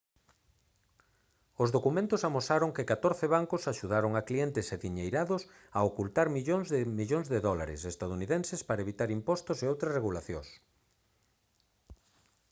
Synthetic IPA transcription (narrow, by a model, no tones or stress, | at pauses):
ozðokumẽnt̪ʊsamosaɾʊŋkɪkat̪oɾθɪβaŋkʊsaʃuð̞aɾoŋaklient̪ɪseðiɲejɾaðʊs | aokult̪aɾmiʎoŋzðmiʎoŋzðeðɔlaɾɪ̰sest̪aðuniðensɪspaɾɐeβit̪aɾimpɔst̪ʊseowt̪ɾɐsreɣulaθjõ̰s